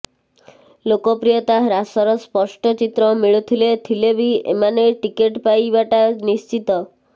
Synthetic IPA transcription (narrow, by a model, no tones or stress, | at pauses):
lokɔpɾijɔt̪aɾasɔɾɔspɔsʈɔt͡ʃit̪ɾɔmiɭut̪ʰilet̪ʰilebʱiḛmaneʈikeʈpajbaʈanist͡ʃit̪ɔ